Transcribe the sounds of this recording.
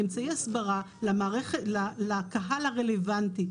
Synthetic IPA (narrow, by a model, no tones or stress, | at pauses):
emt͡saiasbaʁa | lamaːʁeχelalakaɦalaʁelevanti